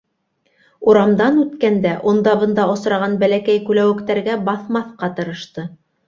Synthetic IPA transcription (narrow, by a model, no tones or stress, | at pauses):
uɾɑmd̪ɑnʉt̪kænd̪æʔŏnd̪ɑβɤ̆nd̪ɑŏsɾɑʁɑnbælækæjkʉlæwɘ̆kt̪æɾɡæbɑθmɑθqɑt̪ɤ̆ɾɤ̆ʃt̪ɤ